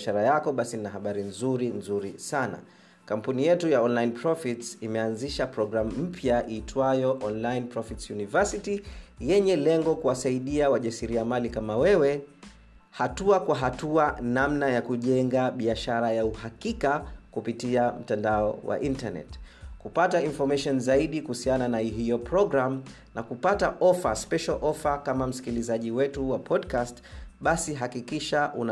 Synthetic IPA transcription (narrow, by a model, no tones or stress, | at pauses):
ʃaɾajakɔɓasiinaɦaɓaɾinzuɾinzuɾisana̰ | kam̩punijɛtujaɔnlainpɾɔfitsimɛanziʃapɾɔɡɾamum̩pʰjaʔiːtʰwajɔʔɔnlainpɾɔfitsjunivɛsitijɛɲɛlɛŋɡɔkuwasaiɗiawaʄasiɾiamalikamawɛwɛ | hatuakwaɦatuanamnajakuʄɛŋɡaɓiaʃaɾajauhakikakupitiam̩tandaɔwa̰ʔintanɛ̰tkupatainfɔmaʃɔnzaiɗikuhusiananaiɦijɔpɾɔɡɾam | nakupataʔɔfaspɛʃalʔɔfakamam̩si̥kilizaʄiwɛtuwapʰɔdkastɓasiɦakikiʃaʔuna